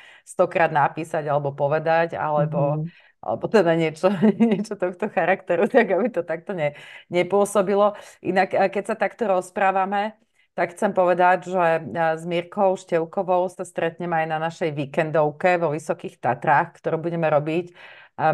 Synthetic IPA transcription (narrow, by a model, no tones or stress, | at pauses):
st̪ɔkɾaːd̪napiːsaɟalɛbɔpɔʋɛd̪aca̰lɛbɔ | ʔa̰lɛ̰bɔt̪ɛd̪aɲɪɛt͡ʃɔɲɪɛt͡ʃɔt̪ɔxt̪ɔxaɾakt̪ɛɾut̪aɡabit̪ɔt̪ak̚t̪ɔɲɛɲɛpʊɔsɔbilɔʔḭnakːɛcsat̪akt̪ɔɾɔspɾaːʋamɛ | t̪akxt͡sɛmpɔʋɛd̪aɟʒɛzmiɾkɔʊʃcɛʊkɔʋɔʊsast̪ɾɛt̪ɲɛmɛajnanaʃɛjʋikɛnd̪ɔʊkɛʋɔʋisɔkiːxt̪at̪ɾaːxkt̪ɔɾuːbuɟɛmɛɾɔbic